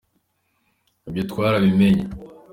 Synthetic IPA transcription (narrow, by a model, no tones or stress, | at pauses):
ebjotkwaːɾaβimeɲa